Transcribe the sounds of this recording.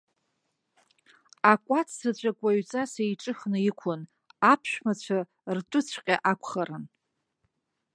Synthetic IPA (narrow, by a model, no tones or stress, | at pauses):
akʷʼat͡sʰsat͡ɕʷʼakʷʼaɥt͡sʼasejʈ͡ʂʼɨχnɨikʷʰʊn | apʰʃᶣmat͡ɕʷʰa | rtʼʊt͡sʷʰqʲʼaʔakʷʰχaɾɨn